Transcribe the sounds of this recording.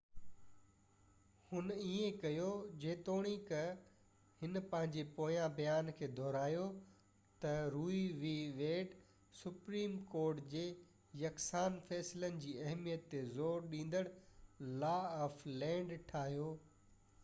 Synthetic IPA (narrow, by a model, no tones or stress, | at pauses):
hʊniẽkɐjod͡ʑeːt̪oːɽ̃ikɐ | hɪnpɐ̃ɦɪ̃ɲd͡ʑepoːjãbɐjaːnkʰeːd̪ʱɔːɾaːjo | t̪ɐɾuːiʋiʋeːʈ | sʊpɾiːmkoːɾʈd͡ʑeː | jɐksaːnfɛːslənɪ̆d͡ʑiːɐɦmijət̪ːezoːɾɗĩːn̆d̪əɽlaːaːflɛ̃ːɳɖʈʰaːɦijoː